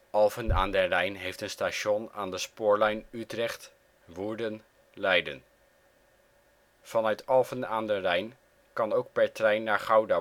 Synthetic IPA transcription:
ʔɑlˠvəna̰ːndərɛjnɦejftənstaʃɔnaːndəspʊːɹlɛjnytrɛχt | ʋuɹdən | lɛjdə̰n | fɑnœɥtɑlˠvənaːndərɛjn | kɑnowk̚pɛɹtrɛjnːaːɹχawda

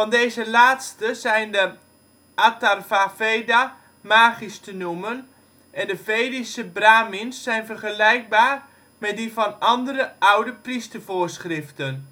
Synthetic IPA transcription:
fɑndeːjzəlaːtstəzɛjndə | ʔatarfafeːda | maːɣistənumən | ʔɛndəveːdisəbraːminsːɛjnvərχəlɛjk̚baːr | mɛt̚difɔnʔɑndərəʔawdəpristərvoːrsχrɪftən

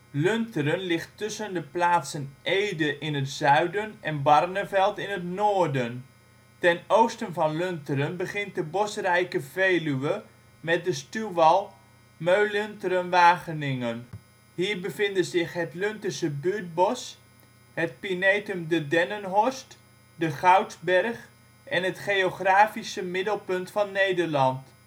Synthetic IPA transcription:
løntərənlɪχtːʏsəndəplaːtsənʔejdəʔɪnətzœɥdənʔɛnbɑrnəvɛlˠtɪnətnoːdən | tɛnowstənvɑnlʏntəɾənbəχɪnt̚dəbɔsərɛjkəveːlyʋə | mɛt̚dəstyʋɑlˠ | møɥløntərənʋaːχənɪŋən | ɦiːɹbəvɪndəzɪχɦətlɵntəsəbyt̚bɔs | ɦət̚pinejtɵmdədɛnənɦɔst | dəχawdzbɛrχ | ʔɛnɦətχejoχraːfisəmɪdəlˠpɵntfɑnːejdəɹlɑnt

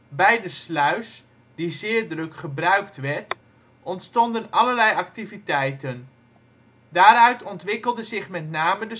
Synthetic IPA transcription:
bɛjdəslœɥs | d̥izɪːɹdrɵkχəbrœɥktʋɛɹt | ʔɔntstɔndənɑləɹlɛjɑk̚tivitɛjtən | daːɾœɥtʰɔntʋɪkəlˠdəzɪχmɛtnaːmədə

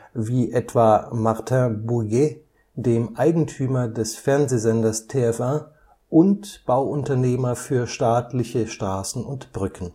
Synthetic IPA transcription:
viːʔɛtv̥aːmaʁtʰɛ̃buɡe | deːmʔaɪɡŋ̩tʰyːmɐdɛsfɛɐnzeːzɛndɐstʰeːɛfʔa | ʔʊntb̥aʊʔʊntɐneːmɐfyːɐʃtaːtlɪçəʃtʁ̥aːsn̩ʊntb̥ʁʏkən̩

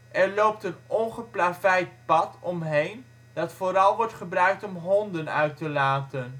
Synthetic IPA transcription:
ʔɛɹlowp̚tənɔnχəplaːvɛjt̚pɑtɔmɦejn | d̥ɑtfoːɾɑlˠʋɔɹtχəbrœɥk̚tɔmɦɔndənœ̰ɥtəlaːtən

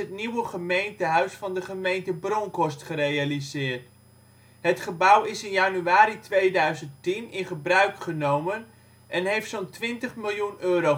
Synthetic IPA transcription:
ɦətniwəχəmejntəɦœɥsfɑndəχəmejntəbroŋkɔstχərejalizɪːɹt | ɦətχəbʌwɪsɪnjanyaːɾitʋejdœɥzənttinɪnχəbrœɥkχənowmən | ʔɛnɦejftsontʋɪntəχmɪlˠjunøːɾo

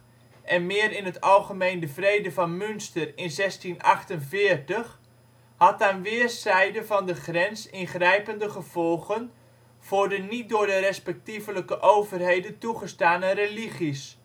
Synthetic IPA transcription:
ʔɛnmɪːəɾɪnɦətɑlˠχəmejndəvrejdəvɑnmʏnstərɪnzɛstinɑχtənvɪːərtəχ | hɑt̚dɛnʋɪːərsɛjdəvɑndəχrɛnsɪnχrɛjpəndəχəv̥ɔlˠɣən | v̥ʊːrdənit̚dʊːɹdərɛspɛk̚tivələkəʔowvərɦejdəntuχəstaːnəreliχis

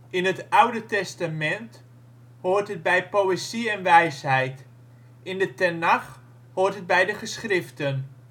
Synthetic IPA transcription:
ʔɪnɦətawdətɛstamɛnt | hʊːrtɦəd̚bɛjpoweziɛnʋɛjsɦɛjt | ʔɪndətɛnaχ | hʊːrtɦəd̚bɛjdəχəsχrɪftən

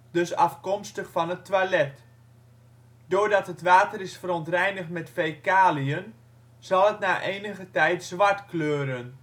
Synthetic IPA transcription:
d̥øsɑ̰fkɔmstəχfɑnətːʋalɛt | doːɹdɑtɦətʋaːtərɪsfərontrɛjnəχtmɛtfejkaːlijən | z̥ɑlˠətnaːʔeːnəɣətɛjtz̥ʋaɹtkløːɾən

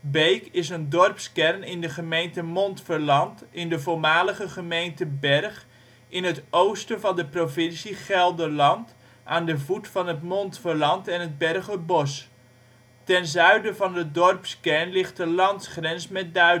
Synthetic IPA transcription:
bejkɪsəndɔrpskɛrnɪndəχəmejntəmɔntfərlɑntɪndəvolˠmaːləχəχəmejntəbɛrχ | ɪnətowstəvɑndəprovɪnsiχɛlˠdəlɑnt | ʔaːndəvutfɑnətmɔntfərlɑntɛnɦəd̚bɛrχəbɔs | tɛnzœɥdəvɑndədɔrpskɛrnlɪχt̚dəlɑntsχrɛnsmɛt̚dœ

